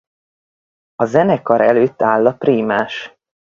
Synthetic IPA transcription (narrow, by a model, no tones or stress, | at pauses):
ɒzɛnɛkɒɾɛløːt̪ːaːlːɒpriːmaːʃ